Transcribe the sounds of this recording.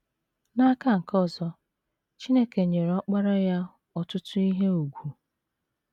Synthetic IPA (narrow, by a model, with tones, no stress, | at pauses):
na˦ka˦ŋ̩˨kɔ˦˨zɔ˦ | t͡ʃi˦ne˦ke˨ɲe˨ɾɔ˦k͡pa˦ɾa˦ja˦ | ɔ˨tʊ˦tʊ˦i˦ɦe˦u˨ɡʷu˨